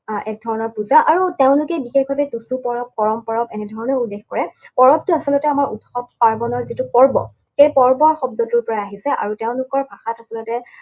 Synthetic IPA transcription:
ɛk̚dʱɔɹɔnɔɹpuzaʔaɹuteʊ̃nlʊkɛbixexɔtɛtusupɔɹɔp̚ːɔɹɔmpɔɹɔbɛnɛdʱɔɹɔnɔulːexkɔɹɛpɔɹɔb̚tʊasɔlɔtɛamaɹutxɔb̚paɹbɔnɔɹzitupɔɹbɔ̰ | xejpɔɹbɔɹxɔb̚dɔtuɹpɔɹaaɦisɛʔa̰ɹuteʊ̃lʊkɔɹbʱaxatasɔlɔtɛ

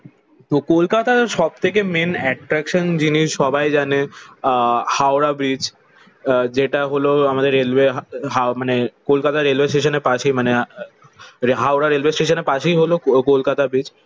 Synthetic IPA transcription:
t̪okolkat̪aɾʃɔb̚t̪ʰek̬emenɛʈɾɛkʃond͡ʑiniʃɔbajd͡ʑane | hawɾabɾid͡ʑ | d͡ʑeʈaɦoloamad̪eɾːelbeɦɦamanekolkat̪aɾelʋesʈeʃoneɾpaʃejmane | ɦawɾaɾelbesʈeʃoneɾpaʃejɦolokolkat̪abɾid͡ʑ

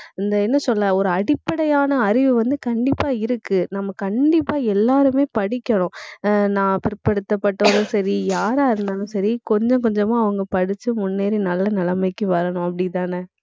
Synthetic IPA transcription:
ɪnd̪ɐɛnːɐsɔlːɐ̃ɔɾɯɐɽɪpːɐɽɐjaːnɐːɾɪʋɯʋɐnd̪ɯkɐɳɖɪpːaːɪɾɯkːɯnɐmːɐkɐɳɖɪpːaːɛlːaːɾɯmeːpɐɽɪkːɐɳʊ̃nãːpɪɾɯpːɐɽɯt̪ːɐpːɐʈːoːðɯ̃sɐɾijaːɾaːɪɾɯnd̪aːnʊ̃sɐɾikɔɲd͡ʒɔ̃kɔɲd͡ʒɐmãːɐʋɐŋɡɐpɐɽɪt͡ʃːɯmʊnːeːɾinɐlːɐnɐlɐmɐɪkːɯʋɐɾɐɳʊ̃ɐpːɐɽɪt̪aːne

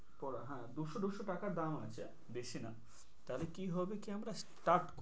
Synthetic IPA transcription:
pɔɾɦɛ̃d̪uʃod̪uʃoʈakaɾd̪amat͡ɕʰe | b̪eʃʰina | t̪alekiɦɔbekiamɾas | ʈaɾʈk

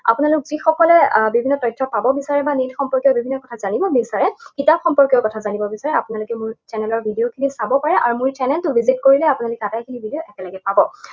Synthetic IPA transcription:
a̰punalʊk̚zixɔkɔlɛbibʱinːɔtɔjtʰːɔpabɔbisaɹɛbanitxɔmpɔɹkiɔbibʱinːɔkɔtʰazanibɔbisaɹɛkitap̚xɔmpɔɹkiɔkɔtʰazanibɔbisaɹɛapunalʊkɛmʊɹt͡ʃɛnɛlɔɹbʱidiokʰinisabɔpaɹɛʔaɹumʊɹtɛnɛntʊbʱizitkoɹilɛapunalʊkɛatajkʰinibʱidioʔɛkɛlɔɡɛpabɔ

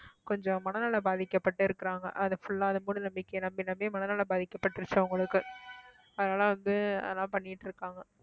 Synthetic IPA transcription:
kɔɲd͡ʒɔ̃mɐnɐnaːlɐbaːðɪkːɐpːɐʈːɯɪɾɯkːɪɾaːŋɡɐ̰ʔɐðɐfʊɭːaːɐðɐmuːɽɯnɐmbɪkːɐjnɐmbinɐmbeːmɐnɐnaːlɐbaːðɪkːɐpːɐʈːɪɾɯt͡ʃːɯɐʋɐŋɡɐɭɯkːɯ | ɐðɐnaːlãːʋɐŋɡɯɐ̰ðɐlãːpɐɳːɪɪʈːɪɾɯkːaːŋɡɐ

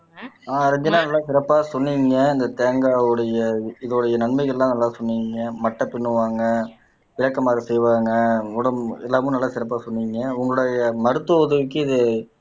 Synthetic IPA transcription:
aːɾɛɲd͡ʒɐnːaːnɐlːaːsɪɾɐpːaːsɔnːiŋɡɐɪnd̪ɐt̪eːŋɡaːɯɽɐjɐɪðʊɽɐjɐnɐɳmɐɪɣɐɭlãːnɐlːaːsɔnːiːŋɡɐmɐʈːɐ̃pɪɳːɯʋaːŋɡɐ | ʋɪɻɐkːɐmaːɾisɛjʋaːŋɡɐʊɽɐmɛlːaːmʊ̃nɐlːaːsɪɾɐp̬ːaːsɔnːiːŋɡɐʊŋɡɐɯɽɐjɐmɐɾɯt̪ːɯʊðɐʋɯk̬ːɯɪðɯ

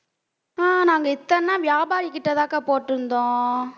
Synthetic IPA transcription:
aːnaːŋɡɐɪt̪ːɐnːãːʋɪjaːbaːɾɪkːɪʈːɐt̪aːkaːpoːʈːɯɾɯnd̪õː

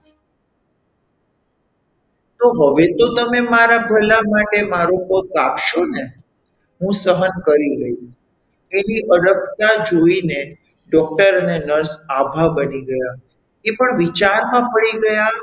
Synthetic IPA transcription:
t̪oɦəʋet̪ot̪əmemaɾabʱəlamaʈemaɾopəkapʃone | ɦũsəɦənkəɾiɡəit͡ʃ | eniʔəɽək̚t̪ad͡ʒoine | ɖɔk̚ʈəɾənenəɾsabʱabəniɡəja | epəɳʋit͡ʃaɾmãpəɭiɡəja

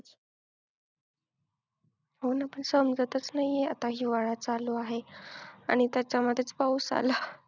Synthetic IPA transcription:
ɦonapəɳsəmd͡zət̪ət͡snaɦieat̪aɦiːʋaɭat͡saloaɦea̰ɽ̃it̪jat͡ɕaməd̪ʱːjet͡spauːsa̰la

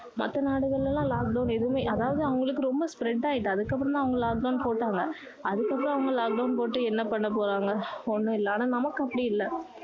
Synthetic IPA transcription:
mɐ̰t̪ːɐnaːɽɯɣɐɭɪlɐlãːlaːk̚ɖɐʊnɛðɯʊmeːʔɐðaːʋɐðɯɐʋɐŋɡɐɭɯkːɯɾɔmbɐspɾɛʈːaːjɪʈ̬ːɯ̃ɐðɯkːɐp̬ːɾɔnt̪ãːɐʋɐŋɡɐlaːk̚ɖɐʊnpoːʈːaːŋɡɐ | ɐðɯkːɐpːɯɾɔ̃ɐʋɐŋɡɐlaːk̚ɖɐʊnpoːʈːɯɛnːɐpɐɳːɐpoːɾaːŋɡɐɔnːɯ̃ɪlːɐːnaːnɐmɐkːɯɐpːɐɽiɪlːɐ

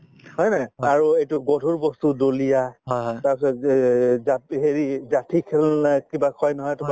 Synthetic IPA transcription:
ɦɔjnaaɹuejtuɡɔdʱuɹbɔstudolijaɦtaɹpsɔ | zaɦeɹizatʰikʰɛlkibakʰɔjnɔɦɔjtʊa

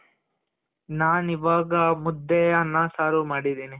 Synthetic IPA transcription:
naːniʋaːɡɐmud̪ːɛjɐnːasaːɾumaːɽid̪iːni

